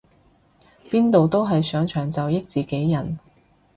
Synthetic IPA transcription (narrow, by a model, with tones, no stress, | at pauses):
piː˥nt̪o˨wt̪o˥wɦɐ˨jsœː˨˥ŋt͡ʃʰœː˨˩ŋt͡sɐ˨wjɪ˥k̚t͡siː˨ke˨˥jːɐ˨˩n